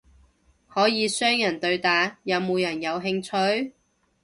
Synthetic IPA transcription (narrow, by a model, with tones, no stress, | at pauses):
hɔː˨˥jiː˨˧sœː˥ŋjɐ˨˩nt̪ɵ˧ɥt̪aː˨jɐ˨˧wmuː˨˧jɐ˨˩njɐ˨˧wɦɪ˧ŋt͡ʃʰɵ˧ɥ